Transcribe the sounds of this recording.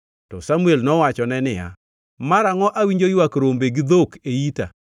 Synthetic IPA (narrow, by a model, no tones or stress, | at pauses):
tɔsamuelnɔwat͡ʃɔnɛnɪja̰ | maɾaŋɔʔawiɲd͡ʒojwakɾombeɡɪd̪okeita̰